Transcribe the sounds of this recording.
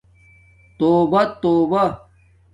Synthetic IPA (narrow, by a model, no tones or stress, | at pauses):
t̪oːbɐt̪oːbɐ